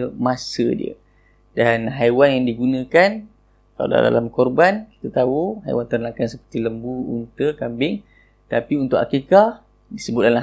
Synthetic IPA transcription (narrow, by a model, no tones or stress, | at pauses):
əmasə̰dḭə̰ | danɦajwanjaŋdiɡunãkan | kala̰da̰da̰lamkɔrbanki̥t̪at̪auɦa̰jwant̪ərnakansəpə̥rt̪iləmbuṵnt̪əkambɪŋ | t̪apiunt̪ʊʔa̰kika | disəbʊt̪̚danla